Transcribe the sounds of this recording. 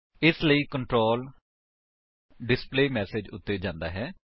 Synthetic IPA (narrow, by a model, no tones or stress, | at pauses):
ɪsləiːkəɳʈɾoːl | ɖɪspleːmɛːsed͡ʒʊt̪ːeːd͡ʒãːnd̪a̰ːɦɛː